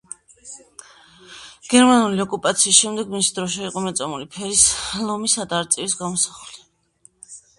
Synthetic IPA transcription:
ɡ̥ɛɾmanuliɔkʼupʼat̪sʰiːsʃɛmd̪ɛɡmisid̪ɾɔʃ̬ɛiqʼɔmɛt̪sʼɔmulipʰɛɾislˠɔmisad̪aːɾt̪sʼivisɡamɔsḁχli

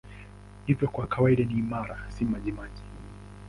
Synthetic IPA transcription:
ivjɔkwakawaiɗaniːmaɾasimaʄimaʄi

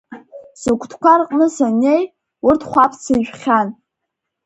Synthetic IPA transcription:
sokʷʰʼtʰkʷʰarqʼnɨsane̞j | ʊrtʰχʷapʰt͡sʰɨʒᶣχʲan

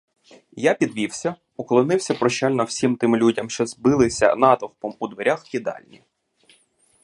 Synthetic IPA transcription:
japʲid̪ʋʲiwsʲɐ | uklˠɔnɪwsʲɐpɾɔʃt͡ʃalʲnɔwsʲimt̪ɪmlʲudʲɐmʃt͡ʃɔzbɪlˠɪsʲɐ̰nɑt̪ɔwpɔmud̪ʋeɾʲaxkʲid̪ɑ̰lʲnʲi

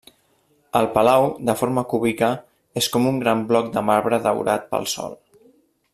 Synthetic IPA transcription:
əlˠpəlawðəfoɾməkuβikə | eskɔmuŋɡɾamblɔk̚d̪əmaɾβɾəðə̰wɾa̰t̪̚pə̰lˠsɔ̰lˠ

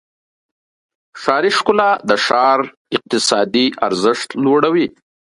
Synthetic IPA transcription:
ʃɑɾiʃkʊlad̪əʃɑɾ | ɪq̚t̪ɪsɑd̪iʔa̰ɾzɪʂt̪loɽawi

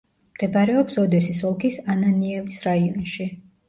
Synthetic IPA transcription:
md̪̥ɛbaɾɛɔpsɔd̪ɛsisɔlˠkʰisananiɛvisɾaiɔnʃi

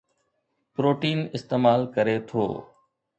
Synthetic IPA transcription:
pɾoːʈiːnɪst̪eːmaːlkəɾet̪ʰo̰ː

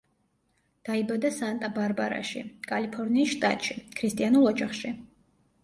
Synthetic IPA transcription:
d̪̥aibad̪asant̪ʼabaɾbaɾa̰ʃḭkʼalipʰɔɾniːsʃt̪ʼa̰t̪ʼʃikʰɾist̪ʼianulˠɔd͡ʒaχʃi

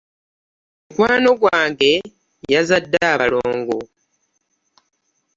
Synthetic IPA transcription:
kwaːno̞ɡwaːŋɡe̞ | jazadːaːβaloːŋɡo

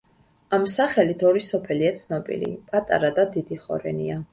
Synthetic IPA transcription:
amsaχɛlit̪ʰɔɾisɔpʰɛliat̪sʰnɔbḭlḭpʼat̪ʼa̰ɾad̪ad̪id̪iχɔ̰ɾɛ̰nḭa

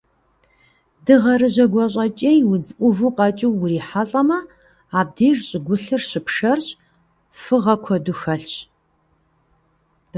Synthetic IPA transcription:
dɨʁɐɾɨʑɐɡʷɔɕʼɐt͡ʃʼejwʊd͡zɨʔʷʊvɨqɐt͡ʃʼɪwːʊriːħaɬʼɐmɐ | aːb̚deːrɕʼɪɡʷʊɬɨrɕɪpʂɐrɕ | fɨʁɐkʷʰɔduxɐɬɕ

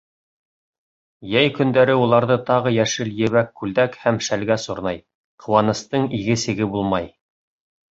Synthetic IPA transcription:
jæjkɵ̆nd̪æɾɘulˠɑɾðɤt̪ɑʁɤjæʃɘljɘ̆βækːʉld̪ækhæmʃælɡæsoɾnɑj | qʰɤ̆wɑnɤ̆st̪ɤɴiɡɘ̆sɘ̆ɡɘbulˠmɑj

